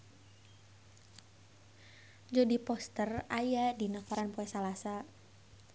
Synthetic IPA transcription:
d͡ʒɔdipɔst̪ərajadinakɔɾanpoɛsalasa

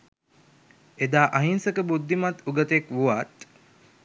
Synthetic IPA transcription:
ed̪aːʔaɦinsəkəbud̪ʱːimat̪uɡət̪ekʋuʋat̪

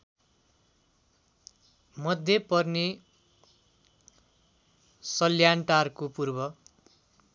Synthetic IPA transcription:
mʌd̪ʱjepʌrne | sʌljanʈarkopurbʌ

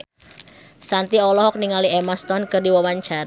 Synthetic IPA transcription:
sant̪iɔlɔhɔk̚niŋaliemast̪ɔnkərdiwawaɲt͡ʃaɾ

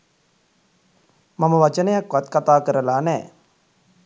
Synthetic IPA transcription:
maməʋat͡ʃənəjakːʋat̪kat̪aːkəɾəlaːnɛː

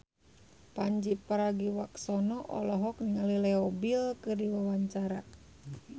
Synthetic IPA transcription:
paɲd͡ʒipaɾaɡiwaksɔnɔʔɔ̰lɔɦɔk̚niŋalilɛɔbilkɨrdiwawaɲt͡ʃaɾa

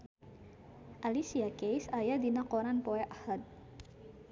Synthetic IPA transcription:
ʔalisiakejsajad̪inakoɾanpɔɛʔahad̪̚

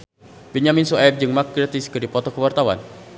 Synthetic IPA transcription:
bɛɲaminsuap̚d͡ʒɨŋmak̚ɡɾat̪iskədipɔt̪ɔkəwart̪awa̰n

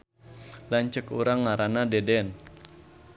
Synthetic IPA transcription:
laɲt͡ʃəkuɾaŋːaɾanadɛdɛn

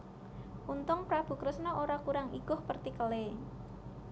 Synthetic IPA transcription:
ʔunt̪ʊŋpɾab̥ṳkɾəsnɔʔoɾakuɾaŋiɡ̥ʊhpərt̪ikəle

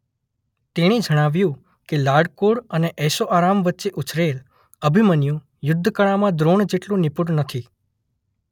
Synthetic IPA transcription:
t̪eɽ̃id͡ʒəɽ̃aʋjũ | kelaɽkoɽəneʔɛsoʔaɾamʋətːʃeʔut͡ʃɾel | əbʱimənjũ | jʊd̪ʱːəkəɭ̃amãd̪ɾoɳd͡ʒeʈlũnipuɽnət̪ʰi

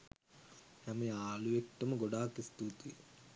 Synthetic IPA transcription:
hɛmejaːluʋek̚ʈəməɡoɖaːkist̪ut̪u

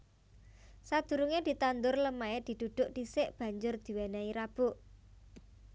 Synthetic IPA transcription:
sad̪̥ṳɾuŋed̪̥i̤t̪and̪ʊrləmaed̪̥i̤d̪̥ud̪̥ʊ̤ʔd̪̥isɪʔb̥ä̤ɲd͡ʒʊrd̪̥i̤wenaiɾab̥ʊʔ

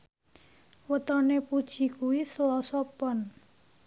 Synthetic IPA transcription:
wət̪ɔnepud̥ʒ̥i̤kuwisəlɔsɔpɔn

